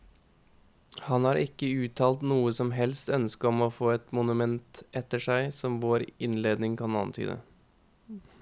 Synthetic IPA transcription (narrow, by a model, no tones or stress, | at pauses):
hɑnhɑːɾʔɪkːəʉːt̪ʰɑːlt̪nuːəsɔmɦɛlst̪œnskəɔmoːfoːɛt̪mʊnʉmɛnt̪ɛt̪ːəʂæɪsɔmʋoːɾɪnleːd̪nɪŋkɑnɑ̰nt̪ʰy̰ːd̪ə̰